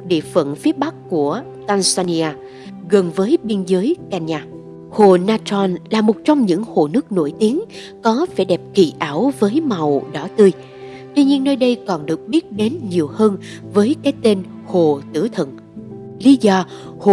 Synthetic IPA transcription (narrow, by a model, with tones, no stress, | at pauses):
ɗḭ˧˨əfə̰˧˨nfi˨˦əɓa˦˥k̚ku˧˩ə | t̪aː˧nsaː˧ni˧ʔaː˧ | ɣə˨˩nvəː˨˦jɓi˧ənzəː˨˦jka˧nɲaː˧˩ | ho˨˩naː˧t͡ɕɔ˧nlaː˨˩mo˨˩t̚t͡ɕɔ˧wŋ͡mɲɨ̰˧˥ŋho˨˩nɨ˦˥ək̚no̰˧˩jt̪i˨˦əŋ | kɔ˨˦faː˧˩ɗɛ˨˩p̚kḭ˧˩ʔaː˧˩wvəː˨˦jma˨˩wɗɔ˧˩t̪ɨ˧j | t̪wi˧ɲi˧ənːəː˧jɗə˧jkɔ˨˩nɗɨ˨˩ək̚ɓi˦˥ət̚ɗe˨˦nɲi˨˩əwhəː˧n | vəː˨˦jkaː˨˦jt̪e˧n | ho˨˩t̪ɨ̰˧˩ət̪ʰə̰˧˨n | li˨˦zɔ˧ | ho˨